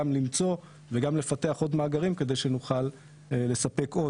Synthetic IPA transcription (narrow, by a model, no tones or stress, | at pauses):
mlimt͡so̞ | veɡamle̞fat̪e̞aχo̞dmaːɡaʁimke̞d̪ejʃenuχal | le̞sape̞ko̞